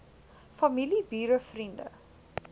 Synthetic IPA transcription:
fɐmilibiːɾəfrində̰

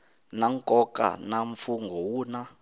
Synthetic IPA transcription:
naŋkʼɔkʼa̰naɱfuŋɡʱɔwuːna

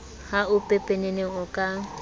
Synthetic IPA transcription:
haʊpʼepʼeneneʊkʼa

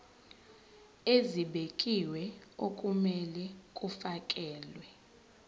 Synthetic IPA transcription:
eziɓekʼiwɛokʼumɛlɛkʼufakʼɛːlwɛ

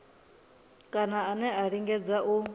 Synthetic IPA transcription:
kʼanaːnɛaɺiŋɡɛd͡zaʔu

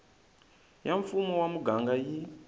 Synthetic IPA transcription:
jaɱfumɔwamuɡaŋɡaji

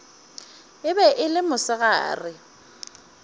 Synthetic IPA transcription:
ɪbɛʔɪlɪmʊsɪɣa̰ːrɪ

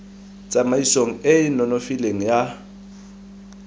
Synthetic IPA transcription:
t͡sʼamaisoŋ̩ɪɪnɔnofileŋ̩ja

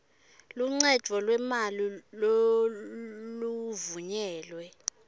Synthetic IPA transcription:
luŋ͡ǀɛd̥ʒ̥ʱɔlwɛmalilo | luvuɲɛːlwɛ

